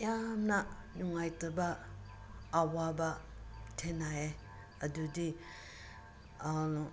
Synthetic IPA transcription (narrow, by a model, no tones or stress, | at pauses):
jamna | nuŋajtɯbaː | waba | tʰenae | ɐdudi